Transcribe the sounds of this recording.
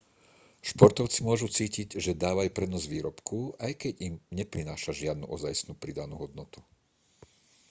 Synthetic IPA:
ʃpɔɾt̪ɔʊt͡simʊɔʒut͡siːciɟʒɛd̪aːʋajupɾɛd̪nɔzʋiːɾɔpkuajkɛɟimɲɛpɾinaːʃaʒɪad̪nṵʔɔzajsnuːpɾid̪anṵːɦɔd̪̚nɔt̪u̥

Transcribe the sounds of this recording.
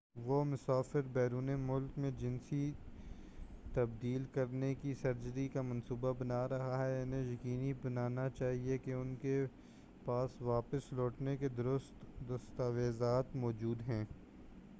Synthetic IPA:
ʋomʊsaːfɪɾbɛːɾuːnemʊlkmẽd͡ʒɪ̃nsi | t̪ɐb̚d̪iːlkɐɾnekisɐɾd͡ʒəɾikamɐ̃nsuːbabɐnaːɾɐɦaɦɛaːnejɐkiːnibɐnaːnat͡ʃaːɦiekeʊnke | paːsʋaːpəslɔːʈneked̪ʊɾʊst̪d̪ɐst̪aːʋeːzaːt̪mɔːd͡ʒuːd̪ɦɛ̃ː

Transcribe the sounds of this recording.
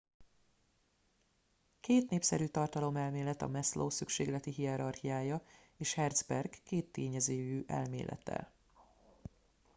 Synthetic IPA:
keːt̪neːpsɛɾyːt̪ɒrt̪ɒlo̞mɛlmeːlɛt̪ɒ̰mɛslʔoːsykʃeːɡlɛt̪iɦiɛɾɒrhijaːjɒ | eːʃhɛrd̪zbɛrɡːeːt̪ːeːɲɛzeːjyːʔɛ̰lmḛːlʔɛ̰t̪ɛ̰

